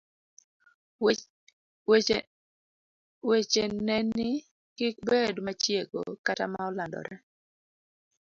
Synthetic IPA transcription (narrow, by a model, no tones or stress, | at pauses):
we | wet͡ʃenɛnɪ | kɪk̚bedmat͡ʃjeɡo̰kata̰maɔlandɔ̰ɾɛ